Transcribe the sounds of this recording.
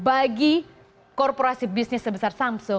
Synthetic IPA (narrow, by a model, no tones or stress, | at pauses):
baɡi | kɔrpoɾasibisnɪsːəbəsarsampsɔ